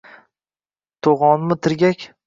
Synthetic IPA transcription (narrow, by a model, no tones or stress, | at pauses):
t̪ʰoʁɒnmɪt̪ʰɪɾɡʲakʲ